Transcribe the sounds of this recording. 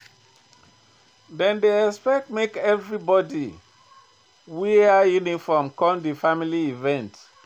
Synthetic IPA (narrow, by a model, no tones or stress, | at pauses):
dɛ̃ndeɛspɛk̚tmekɛvɹibɔdi | wiajunifɔmkɔ̃ndifamiliivɛ̃nt